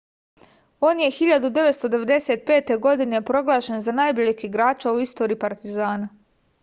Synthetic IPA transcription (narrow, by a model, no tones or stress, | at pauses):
o̞ːnje̞xiʎad̪ud̪e̞ʋet̪st̪o̞d̪e̞ʋe̞d̪e̞se̞t̪̚pe̞ːt̪e̞ɡo̞d̪ine̞pɾo̞ɡlˠaːʃe̞nzanajboʎikiɡɾaːt͡ʃauist̪o̞ːɾiːpaɾt̪izaːna